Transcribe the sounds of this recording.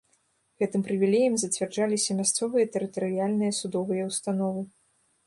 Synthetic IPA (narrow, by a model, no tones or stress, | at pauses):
ɣɛt̪ɨmpɾɨvʲilʲejɐmzɐt͡sʲvʲard͡ʐalʲisʲɐmʲast̪sɔvɨjɐt̪ɛɾɨt̪ɐɾɨjalʲnɨjɐsud̪ɔvɨjɐwst̪an̪ɔvɨ